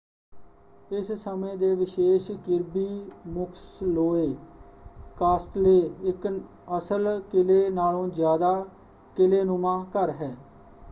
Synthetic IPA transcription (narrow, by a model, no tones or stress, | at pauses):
ɪssəmẽːd̪eːʋɪʃeːʃkɪɾbiːmʊkʰsloːeː | kaːsʈleːɪk | əsəlkɪleːnaːlõːzjaːd̪aː | kɪleːnʊmãːkəɾɦɛː